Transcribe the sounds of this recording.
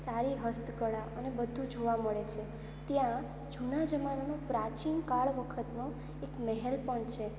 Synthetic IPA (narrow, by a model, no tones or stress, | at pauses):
saɾiɦəst̪ʰkəɭaʔənebəd̪ʱːũd͡ʒʱoʋaməɭet͡ʃʰe | t̪jã | d͡ʒʱunad͡ʒəmanonopɾat͡ʃinkaɭʋəkʰət̪no | ekmɛɦɛlpəɳt͡ʃʰe